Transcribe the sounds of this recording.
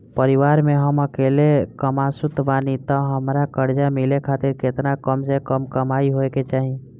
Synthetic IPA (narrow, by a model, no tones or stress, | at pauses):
pəɾiʋaɾmeɦəməkelekəmasut̪banit̪ɔɦəmɾakəɾd͡ʒamilekʰat̪iɾket̪nakəmsekəmkəmaiɦoeket͡ʃaːɦi